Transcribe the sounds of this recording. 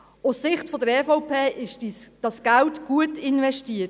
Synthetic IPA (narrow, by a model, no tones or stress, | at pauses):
ʊssɪχtfɔdəɾɛfɔʊpʰeːʔɪʃid̥ɑsɡ̥æltɡ̥uətɪnvɛʃtiət